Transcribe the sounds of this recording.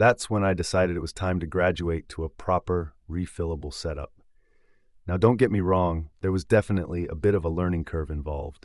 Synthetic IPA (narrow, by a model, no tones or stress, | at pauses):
ðætswə̃naɪdɨsaɪɾɨɾɨt̚wʌz̥tʰãɪ̃mtɨɡɹæd͡ʒueɪtʰəəpʰɹ̥ɑpə˞ɹifɪlˠəbl̩ˠsɛɾʌ̰p̚ | naʊdõʊ̃nɡ̥ɛt̚miɹɔ̃ŋðə˞wʌzdɛfənə̰ʔliə̰bɪɾʌvəlɜ̃˞nɪ̃ŋkʰɜ˞vɨ̃ɱvɑ̰lˠvd̥